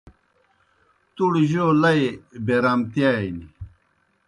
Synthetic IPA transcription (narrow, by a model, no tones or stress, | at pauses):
t̪uɽʑoːlɐjbeɾɐmt̪jaini